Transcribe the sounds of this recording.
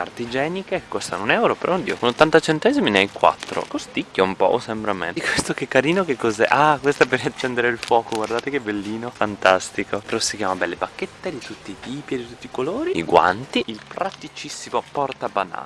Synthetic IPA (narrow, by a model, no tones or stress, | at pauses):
a̰rt̪id͡ʒɛːnikekkːost̪a̰nonɛwɾopeɾɔnd̪iːokonot̪ːant̪at͡ʃent̪ɛziminajkwa̰t̪ːɾo̰kost̪ikːaumpɔ̰ʔosɛmbɾamɛ̰nikwest̪okekːaɾiːnokekːozɛ̰ʔakwest̪oɛpːeɾiat͡ʃːɛnd̪eɾeilfɔːkoɡward̪aːt̪ekebelːiːnofant̪ast̪ikopeɾɔsːikjaːmabɛlːebakːet̪ːed̪it̪ut̪ːit̪iːpied̪it̪ut̪ːikoloːɾiiɡwa̰nt̪iilpɾat̪it͡ʃisːimopɔrt̪abana̰ːl